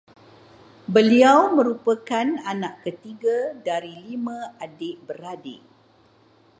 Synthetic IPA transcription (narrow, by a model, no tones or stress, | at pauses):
bəliawmə̃ɾupakananãʔkət̪iɡadaɾilimãadeʔbəɾadɪʔ